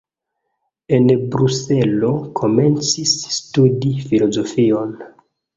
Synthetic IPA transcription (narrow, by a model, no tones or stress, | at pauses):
e̞nbɾuse̞lo̞kʰo̞me̞nt͡sisːtudifilo̞zo̞fio̞n